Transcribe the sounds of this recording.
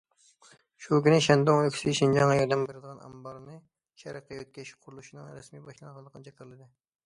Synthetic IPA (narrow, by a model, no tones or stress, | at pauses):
ʃukʲynɪʃɛnd̪ʊŋøkʲsɪʃind͡ʒɑŋːɑjɑɾd̪ɛmbeɾɨd̪əʁɑnɛ̰mbɑɾnɨ | ʃɛɾəqəøt̪̚kʲɛʃqʰʊɾulˠuʃinɨŋɾɛsmibɑʃlˠɑnʁɑnld̪ˠəqʰənɨt͡ʃʰɛkʰʲɪɾlˠɨd̪ɪ